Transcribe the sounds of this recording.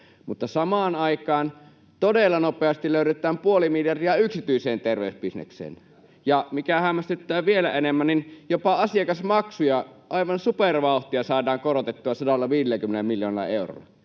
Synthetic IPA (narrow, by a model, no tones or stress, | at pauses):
mut̪ːɑsɑmɑːnɑikˑɑːn | t̪odelːɑnopeɑst̪iløˑyɾet̪ˑæːmpuolimiljɑrdiɑyksit̪yiseːnt̪erʋeysbisnḛksḛːn | jɑmikæhæmːæst̪et̪ːæːʋʋielæenemːænninjopɑɑsiɑkɑsmɑksujɑʔɑˑiʋɑnsuperʋɑˑuht̪iɑsɑːdˑɑːŋkorot̪et̪ːuɑsɑdɑlːɑʋiːdelːækymenelmiljo̰ːnelːɑ̰eˑuro̰ːˑɑ̰